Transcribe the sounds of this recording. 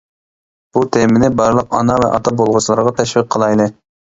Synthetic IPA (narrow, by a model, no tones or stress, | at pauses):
b̥ut̪ʰemɪnɪbɑɾlˠəqɑ̰nɑvɛ̰ʔɑt̪ʰɑbolˠʁəslˠɑɾʁɑt̪ʰɛʃvɨq̚qʰːəlˠɑjlˠɨ